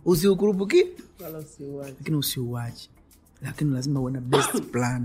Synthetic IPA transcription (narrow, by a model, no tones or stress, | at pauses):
uz̬iuk̬uɾup̬uk̬i | lakiniusiuwat͡ʃi̥ | lakinilazimawɛnabɛstplani